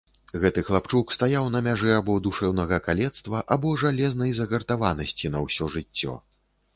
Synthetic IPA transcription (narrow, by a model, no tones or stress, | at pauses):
ɣɛt̪ɨxlˠapt͡ʂukst̪ajawnɐmʲaʐɛabɔd̪uʂɛwnɐɣɐkalʲɛt̪st̪vɐʔabɔʐalʲɛznɐjzɐɣɐrt̪avanɐsʲt͡sʲinɐwsʲɔʐɨt͡sʲːɔ̰